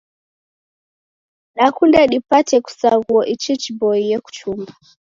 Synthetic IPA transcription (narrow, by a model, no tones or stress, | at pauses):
ɗakundɛɗipatɛku̥saɣuɔʔit͡ʃit͡ʃibɔijɛku̥t͡ʃuma